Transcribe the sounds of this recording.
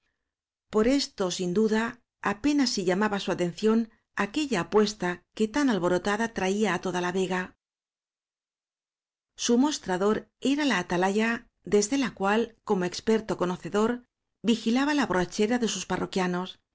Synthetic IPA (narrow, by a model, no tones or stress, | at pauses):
po̞ɾe̞st̪o̞sind̪uðaː | pe̞nasːiʎamaβasuat̪e̞nθjo̞n | ake̞ʎaːpwe̞st̪ake̞t̪analβo̞ɾo̞t̪aðat̪ɾaiaːt̪o̞ðalaβe̞ɣa | sumo̞st̪ɾaðo̞ɾe̞ɾalaːt̪alaʝa | d̪e̞zðe̞lakwalko̞mo̞e̞kspe̞ɾt̪o̞ko̞no̞θe̞ðo̞ɾ | bixilaβalaβorat͡ʃe̞ɾaðe̞susparo̞kjano̞s